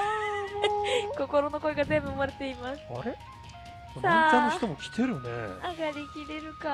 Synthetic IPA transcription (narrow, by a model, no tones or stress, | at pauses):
amoko̞ko̞ɾo̞no̞ko̞eɡazẽ̞mbɯ̟omaɾe̞t̪e̞imasɨ̥aɾe | osãanːoçit̪omokʲi̥t̪e̞ɾɯ̟nḛaɡaɾʲikʲiɾe̞ɾɯ̟ka